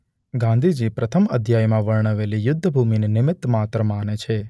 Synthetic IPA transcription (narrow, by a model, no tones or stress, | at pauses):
ɡãnd̪ʱid͡ʒipɾət̪ʰəməd̪ʱjajmãʋəɭɳəʋelijʊd̪ʱːəbʱuminenɪmɪt̪ːmat̪ɾəmanet͡ʃʰe